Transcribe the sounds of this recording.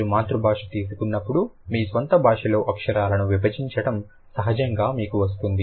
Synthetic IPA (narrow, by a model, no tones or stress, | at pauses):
umaːt̪ɾubʱaːʂɐ̥t̪iːsukunːɐpːuɽumiːsʋɐnt̪ɐbʱaːʂɐlo̞ːʔɐkʂɐɾaːlɐnuʋibɐd͡ʒiɲt͡ʃɐɽɐm | sɐɦɐd͡ʒɐŋɡaːmiːkuʋɐs̬t̪und̪i